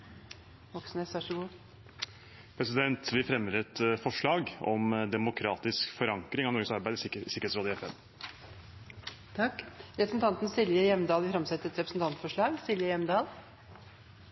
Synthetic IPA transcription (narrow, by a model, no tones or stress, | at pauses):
ʋɔksnɛsʋɑʂəɡuː | pʰɾɛsɪd̪ɛnt̪ʋɪfɾɛmːəɾɛt̪fɔʂɭɑːɡɔmd̪ɛmʊkʰɾɑːt̪ɪskfɔɾɑŋkɾɪŋɑʋnɔɾɡəsɑɾbæɪd̪sɪkːəɾeːtsɾoːd̪ɪɛfɛn | t̪ʰɑkːɾɛpəsn̩t̪ɑnt̪nsɪlʋjəjɛmd̪ɑːlʋɪfɾɑmsɛt̪əəɛt̪ɾɛpɾəsn̩t̪ʰɑnt̪fɔʂɭɑːɡsɪljəjɛmd̪ɑːl